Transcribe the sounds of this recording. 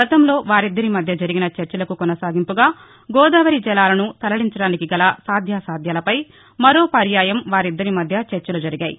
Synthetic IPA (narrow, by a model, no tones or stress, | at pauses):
ɐt̪ɐmlo̞ːʋaːɾid̪ːɐɾimɐd̪ʱjɐd͡ʒɐɾiɡinɐt͡ʃeɾt͡ʃɐlɐkukɔnɐsaːɡimpuɡaː | ɡɔːd̪aːʋɐɾid͡ʒɛlaːlɐnut̪ɐlɐɭiɲt͡ʃɐɽaːnikiɡɐlasaːd̪ʱjaːsaːd̪ʱjaːlɐpɐj | mɐɾo̞ːpɐɾjaːjɐmʋaːɾid̪ːɐɾimɐd̪ʱjɐt͡ʃɛɾt͡ʃɐlud͡ʒɐɾiɡaːjḭ